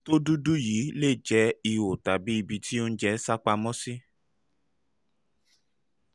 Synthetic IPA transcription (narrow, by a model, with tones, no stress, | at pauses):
to˦du˦du˦jiː˨˦le˦˨d͡ʒɛ˧˦i˧wo˨ta˨bi˨˦i˧bi˧ti˦o˦n̩˦d͡ʒɛ˧˦sa˦k͡pa˧mɔ̃˦si˦